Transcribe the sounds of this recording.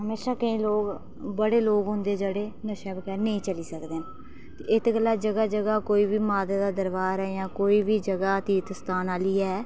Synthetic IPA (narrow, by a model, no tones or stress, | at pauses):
ɦəmeːʃaːkəĩːloːɡ | bəɽeːloːɡɦʊ̃nd̪eːd͡ʒəɽeːnəʃɛːbkɛːnəĩːt͡ʃəliːsəkd̪eːn | t̪eɪt̪ɡəlːaːd͡ʒəɡaːd͡ʒəɡaːkoːiːbiːmaːd̪aːd̪aːd̪əɾbaːɾɛjãːkoːiːbiːd͡ʒəɡaːt̪iːt̪əst̪aːnaːliːɛː